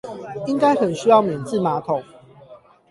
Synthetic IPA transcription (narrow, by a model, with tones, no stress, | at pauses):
i˦ŋka˦ɪxə˨˩nɕy˦˥jɑ˥˩ʊmjɛ˨˩nt͡s̩˥˨ma˨˦t̪ʰo˨˦ŋ